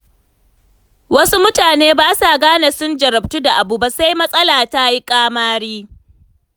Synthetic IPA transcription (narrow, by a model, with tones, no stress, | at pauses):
wɐ˦su˦mʊ˦taː˨neː˦baː˦sa˨ɡaː˦na˨sʊ˦nd͡ʒɐ˨ɾɐ˨b̚tu˦da˨ʔa˨bu˨ba˦sa˦jmɐ˦sʼɐ˦laː˨ta˦ji˦kʼaː˦maː˦ɽiː˦